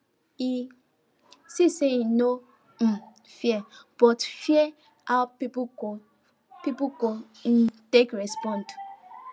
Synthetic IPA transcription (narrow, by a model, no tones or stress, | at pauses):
i | siseino | m̩ | fiɛb̥ɔtfiɛ | awpipo | pipuko | n̩tekɹɛspɔ̃nt